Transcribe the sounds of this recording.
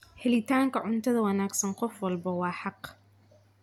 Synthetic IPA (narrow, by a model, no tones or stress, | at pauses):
ħɪlɪt̪ʰaːŋkʰɐʕʊnt̪ʰɐðɐwɐnaːɡsɐnqɔfwɐlbɐwɑːħɑq